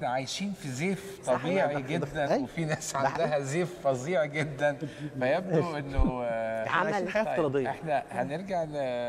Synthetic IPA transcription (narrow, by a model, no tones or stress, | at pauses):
næʕajʃiːnfizeːft̪ˤɑbiːʕiɡed̪ːænæjwefinæːsʕand̪æɦæzeːfːɑziːʕiɡed̪ːænfæjæbd̪oʔenːo | aajʃlːinħajæːɑɾˤɑːd̪ˤejːeħnæhæneɾɡaʕn